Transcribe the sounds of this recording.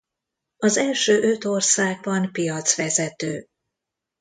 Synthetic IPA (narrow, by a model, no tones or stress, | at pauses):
ɒzɛlʃøːʔøt̪o̞rsaːɡ̚bɒnpijɒt̪sʋɛzɛt̪øː